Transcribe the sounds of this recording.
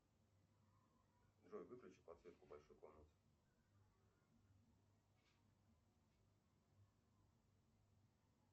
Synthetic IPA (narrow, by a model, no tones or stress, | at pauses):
d̪ʐojʲvɨklʲʉt͡ɕɪt̪̚pɐt̪svʲe̞t̪̚kʊbɐlʲʂojkolʲnət̪sɨ̥